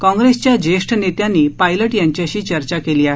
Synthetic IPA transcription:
kɔ̃ŋɡɾest͡ɕjad͡ʑeʂʈnet̪janːiːpajləʈjaɲt͡ɕjaɕiːt͡ɕəɾt͡ɕakeliːaɦe

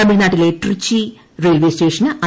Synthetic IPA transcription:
ɐmiɭnaːʈːileʈrɨt͡ɕːi | reːlʋeːsʈeːʂɐnɐ

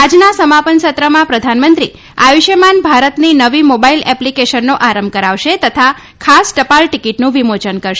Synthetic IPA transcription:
ad͡ʒnasəmapənsət̪ɾəmãpɾəd̪ʱanmənt̪ɾi | a̰ʋiʃemanbʱaɾət̪ninəʋimobailɛplikeʃənːoʔaɾəmbkəɾaʋʃet̪ət̪ʰa | kʰasʈəpalʈikiʈnũʋimot͡ʃənkəɾʃe

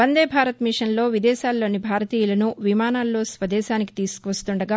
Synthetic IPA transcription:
bɐnd̪eːbʱaːɾɐt̪miʂɐnlo̞ːʋid̪ɛːʃaːlːo̞ːnibʱaːɾɐt̪iːjulɐnuʋimaːnaːlːo̞ːsʋɐd̪ɛːʃaːniki̥t̪iːsu̥kuʋɐst̪uɳɖɐɡaː

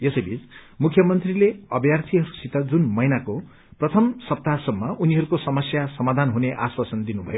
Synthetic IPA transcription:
jesʌjbʱit͡smukʰjʌmʌnt̪rileʌbjart̪ʰiɦʌɾusit̪ʌd͡zunmʌjnako | prʌt̪ʰʌmsʌp̚t̪asʌmːʌʔuniɦʌɾukosʌmʌsjasʌmad̪ʱanɦuneʔa̰swasʌnd̪inubʱʌ̰jo

